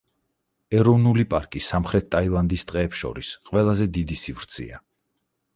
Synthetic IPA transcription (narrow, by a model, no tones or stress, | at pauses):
ɛɾɔvnulipʼaɾkʼisamχɾɛt̪̚ʰːʼailˠand̪ist̪ʼqʼɛːpsʃɔ̰ɾisqʼwɛlˠazɛd̪id̪isivɾt̪sʰḭa̰